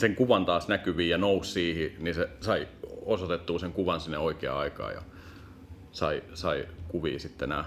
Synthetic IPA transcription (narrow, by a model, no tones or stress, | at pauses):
seŋkuʋɑnt̪ɑːsnækyʋiːjɑnoussiːhininsesɑiosot̪et̪ːuːseŋkuʋɑnsinːeoikeɑ̰ɑikɑ̰ːjɑ̰ | sɑisɑikuʋḭːsit̪ːenæ̰